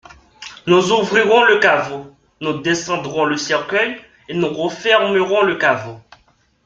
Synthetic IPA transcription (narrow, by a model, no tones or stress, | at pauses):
nuzuvʁiʁɔ̃ləkavo | nud̪esɑ̃d̪ʁɔ̃ləsɛʁkœj | enuʁɔfɛʁmøʁɔ̃ləkavo